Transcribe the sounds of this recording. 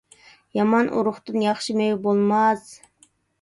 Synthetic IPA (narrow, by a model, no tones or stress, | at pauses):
jɑmɑnʔṵɾʊχt̪ɨnjɑχʃɨmejbolˠmɑz̥